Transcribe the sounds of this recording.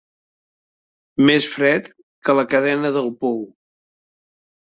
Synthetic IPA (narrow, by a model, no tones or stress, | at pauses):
mesfɾɛt̪ | kələkəðɛnəðəlˠpɔw